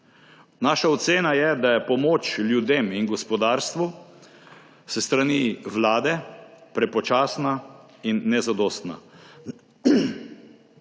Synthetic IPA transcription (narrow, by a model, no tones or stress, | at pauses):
naːʃaɔt̪seːnajɛd̪ajɛpɔmoːt͡ʃljud̪eːminɡɔspɔd̪aːɾst̪ʋu | sɛst̪ɾaniːʋlaːd̪ɛpɾɛpɔt͡ʃaːsna | inːɛzad̪ɔːst̪na̰